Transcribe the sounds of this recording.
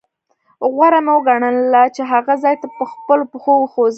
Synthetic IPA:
ɣwaɾamawɡaɳənlat͡ʃeɦaɣazɑjt̪apəxpəlopəxowxoz

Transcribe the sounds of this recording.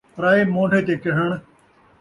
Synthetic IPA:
ɾaːeːmõːɳɖʱeːt̪eːkɪɦəɳ

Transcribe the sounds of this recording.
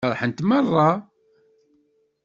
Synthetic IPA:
ɾˤħənt̪mɑrˤːɑ

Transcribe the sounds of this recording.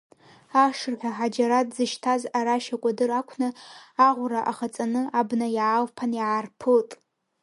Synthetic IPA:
aʂɨrħʷᶣaħad͡ʒaɾatʼzɨʃtʰazaɾaʃakʷʼadɨrakʷʰnɨaʁʷraʔaχat͡sʼanɨabnajaːlpʰanjaːrpʰɨtʼ

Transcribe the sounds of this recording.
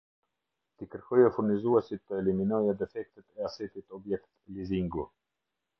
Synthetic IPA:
t̪ikəɾkɔjɔfuɾnizuɛsit̪ːəɛliminɔjad̪ɛfɛk̚t̪ɛt̪ɛasɛt̪it̪ɔbjɛk̚t̪liziŋɡu

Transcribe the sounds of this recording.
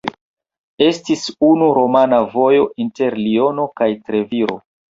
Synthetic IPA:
e̞stisunuɾo̞manavo̞jo̞ʔinte̞ɾlio̞no̞kajtɾe̞viɾo̞̰

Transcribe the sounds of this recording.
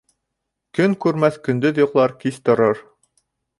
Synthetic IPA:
kɵŋkʉɾmæθkɵ̆nd̪ɵðjŏʁlˠɑɾkiθt̪ŏɾɤɾ

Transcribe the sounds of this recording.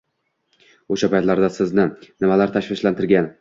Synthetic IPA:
oʃapajt̪laɾd̪asɪznɪnɪmalaɾt̪ʰaʃvɪʃlant̪ʰɪɾɡʲan

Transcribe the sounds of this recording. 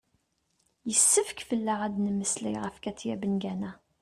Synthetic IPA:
jəsːəfəkfəlːaʁæd̪nəmːəslḭʁəfkæt͡sːjæbənɡænæ

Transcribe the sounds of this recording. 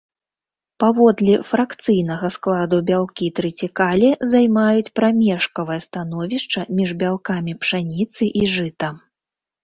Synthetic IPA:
pavɔd̪lʲifɾakt̪sɨjn̪ɐɣɐsklˠad̪ubʲalˠkʲit̪ɾɨt͡sʲikalʲizajmajut͡sʲpɾamʲɛʂkɐvɐjɐst̪anɔvʲiʂt͡ʂɐmʲiʐbʲalˠkamʲipʂanʲit̪sɨʔiʐɨt̪ɐ

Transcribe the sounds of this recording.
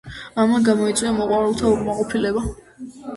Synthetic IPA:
amaɡamɔit̪sʼwiamɔqʼwaɾɛlˠt̪ʰauqʼmaqʼɔpʰilɛba

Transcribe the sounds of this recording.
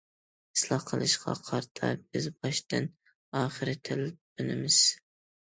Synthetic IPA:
ɪ̥slˠɑhqʰəlˠɨʃqʰɑ̰qʰɑɾt̪ʰɑ̰bɪzbɑʃt̪ɨn | ɑːχɨɾɪt̪ʰɪlbɪnɪmɪz̥

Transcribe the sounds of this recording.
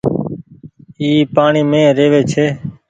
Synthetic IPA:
iːpaːɳiːmẽːɾeːʋeːt͡ʃʰeː

